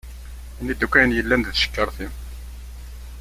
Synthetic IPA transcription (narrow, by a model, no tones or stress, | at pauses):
inid̪ukːæjənjəlːænd̪ðʃə̥kːəɾˤθi